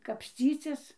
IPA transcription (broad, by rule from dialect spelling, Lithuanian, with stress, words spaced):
kɐpʲsʲˈt͡sʲiːt͡sʲɪs